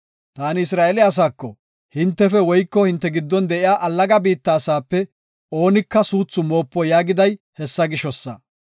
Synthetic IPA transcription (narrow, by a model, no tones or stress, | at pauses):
t̪aːnɪɪs̬ɾaːʔɛlɪɐs̬aːkːɔ | hɪnt̪ːɛfɛwɔjkːɔhɪnt̪ːɛɡɪd̪ːɔnd̪ɛʔɪjaːʔɐlːɐɡɐbiːt̪ːaːsaːpːɛ | o̞ːnɪkːɐsuːt͡sːʊmo̞ːpːɔjaːɡɪd̪ɐj | hɛsːɐɡɪʃɔsːɐ̰